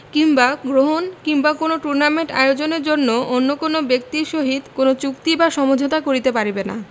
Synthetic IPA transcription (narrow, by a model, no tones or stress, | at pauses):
kimbaɡɾoɦonkiŋbakonoʈuɾnameɳʈa̰eod͡ʑoneɾd͡ʑonːoonːokonobek̚t̪iʃoɦid̪konot͡ɕuk̚t̪ibaʃɔmod͡ʑʱot̪akoɾit̪epaɾibena̰